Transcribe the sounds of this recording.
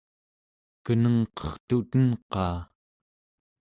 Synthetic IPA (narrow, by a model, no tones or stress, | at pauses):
kənəŋqʌ̥χt̪ut̪ənqɑː